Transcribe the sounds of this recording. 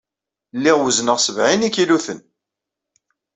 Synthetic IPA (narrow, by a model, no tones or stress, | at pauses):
lːɪʁwəznəʁsəvʕinikiluθən